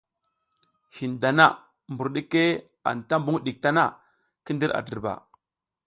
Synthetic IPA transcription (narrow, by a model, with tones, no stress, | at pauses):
hi˨nda˨na˦ | mbu˨ɾɗi˦ke˦ | a̰˨nta˦mbu˦ŋ˦ɗi˨k̚ta˦na˦˨ | kə˦ndi˦ɾa̰˨də˨ɾba̰˨